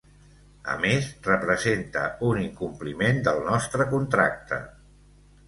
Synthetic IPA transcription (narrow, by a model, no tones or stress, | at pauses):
ə̰mesrəpɾəzent̪ə̰uniŋkumplimend̪əlˠnɔst̪ɾəkunt̪ɾa̰k̚t̪ʰə̰